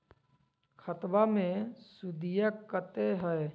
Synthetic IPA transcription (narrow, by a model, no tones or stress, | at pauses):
kʰət̪wamẽsud̪ijəkːət̪eɦɛː